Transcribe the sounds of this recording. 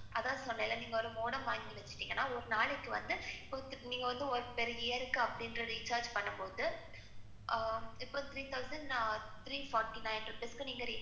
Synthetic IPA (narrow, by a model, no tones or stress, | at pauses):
ʔɐðãːsɔnːɐlːɐniːŋɡɐɔɾɯmoːɽɐmʋaːŋɡɪɪʋɛt͡ʃːɯ̥ʈːiːŋɡɐnːaːɔɾɯnaːɭɛkːɯʋɐ̰nd̪ɯɪpːoːniːŋɡɐʋɐnd̪ɯɔɾɯpeːɾɪjɐɾɯkːɯɐpːɐɽɪnɾɐɾiːt͡ʃaːɾd͡ʒpɐɳːɐpoːðɯ | ɪpːoːt̪ʰɾiːt̪ʰɐʊsɐnɖ | t̪ɾiːfɔːɾʈːinaɪnɾɯpeːskɯniːŋɡɐɾiː